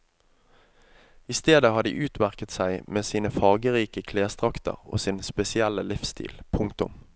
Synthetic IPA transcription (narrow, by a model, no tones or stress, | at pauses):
ɪst̪eːd̪əhɑːd̪ḭːʔʉːt̪mæʁkət̪sæɪmeːsiːnəfɑːʁɡəʁiːkəkʰleːst̪ʁɑkt̪ʰə̰ʁo̰ːsɪnspɛsɪæləlɪfst̪ʰḭːlpʰʊŋk̚t̪ʊ̰m